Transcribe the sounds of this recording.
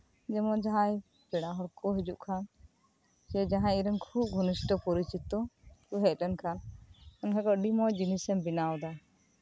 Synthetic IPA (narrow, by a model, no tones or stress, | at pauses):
d͡ʒɛmɔd͡ʒaɦaj | pɛɽaɦɔɽkʰɔɦɛd͡ʒuʔkʰan | t͡ʃɛd͡ʒaɦãiɾəŋkʰub̚ɡʱɔnisʈəpɔɾit͡ʃit̪ɔkuɦɛclɛnkʰanəŋɦɛkɔɖimɔjd͡ʒinisɛmbinawd̪a